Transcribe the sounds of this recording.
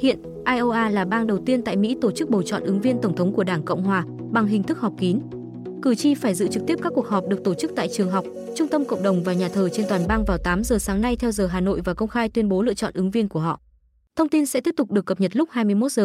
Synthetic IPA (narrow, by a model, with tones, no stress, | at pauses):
hḭ˧˨ən | ʔaː˧jʔo˧ʔaː˧laː˨˩ɓaː˧ŋɗə˨˩wt̪i˧ənt̪a̰ː˧˨jmḭ˧˥t̪o˧˩t͡ɕɨ˦˥k̚ɓo˨˩t͡ɕɔ̰˧˨nʔɨ˨˦ŋvi˧ənt̪ə˧˩wŋ͡mt̪ʰə˨˦wŋ͡mku˧˩əɗaː˧˩ŋkə̰˧˨wŋ͡mhwaː˨˩ | ɓa˨˩ŋɦï˨˩ŋ̟t̪ʰɨ˦˥k̚hɔ˨˩wk͡p̚ki˨˦n | kɨ˧˩t͡ɕi˧faː˧˩jzɨ̰˧˥t͡ɕɨ˨˩k̚t̪i˦˥əp̚kaː˦˥ku˩ək̚hɦɔ˨˩p̚ɗɨ˨˩ək̚t̪o˧˩t͡ɕɨ˦˥k̚t̪a̰ː˧˨jt͡ɕɨ˨˩əŋɦa˨˩wk͡p̚t͡ɕʊ˧ŋ͡mt̪ə˧mkə̰˧˨wŋ͡mɗə˨˩wŋ͡mvaː˨˩ɲaː˨˩t̪ʰəː˨˩t͡ɕe˧nt̪waː˨˩nɓaː˧ŋvaː˨˩wt̪aː˨˦mzəː˨˩saː˨˦ŋna˧jt̪ʰɛ˧wzəː˨˩ɦaː˨˩no̰˧˨jvaː˨˩kə˧wŋ͡mxaː˧jt̪wi˧ənɓo˨˦lɨ̰˧˨ət͡ɕɔ̰˧˨nʔɨ˨˦ŋvi˧ənku˧˩əɦɔ̰˧˨ | t̪ʰə˧wŋ͡mt̪i˧nsɛ̰˧˥t̪i˦˥p̚t̪ʊ˨˩k͡p̚ɗɨ˨˩əkːə˨˩p̚ɲə˨˩t̚lʊ˦˥k͡p̚haː˧jmɨ˧əjmo˦˥t̚z̥əː˨˩